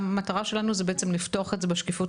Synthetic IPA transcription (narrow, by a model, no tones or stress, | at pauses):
mataʁaʃe̞lanuzebeʔet͡semliftoaχetze̞beʃkefu